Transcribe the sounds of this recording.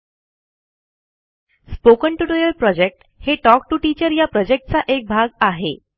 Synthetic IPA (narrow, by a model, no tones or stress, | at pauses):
spokəɳʈuʈojəlpɾɔd͡ʑek̚ʈ | heʈɔk̚ʈuʈit͡ɕəɾjapɾɔd͡ʑek̚ʈ̚t͡saʔek̚bʱaɡaɦe